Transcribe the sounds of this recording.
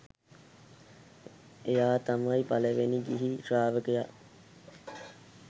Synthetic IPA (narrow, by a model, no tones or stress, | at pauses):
ejaːt̪amɐipaləʋeniɡiɦiʈɾaːʋəkəjaʔ